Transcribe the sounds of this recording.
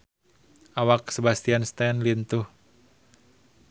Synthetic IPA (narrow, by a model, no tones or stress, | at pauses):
ʔawak̚səbast̪ianst̪ɛnlint̪uh